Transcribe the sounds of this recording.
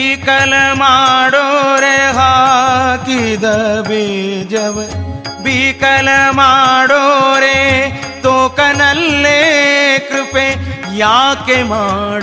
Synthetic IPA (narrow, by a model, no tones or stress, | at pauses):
kɐlmaːɽoɾeɦaːkid̪ɐbeːd͡ʒɐb | bikɐlmaːɽoɾe | t̪oːkɐnɐlːekɾʊpeː | jaːkemaːɽ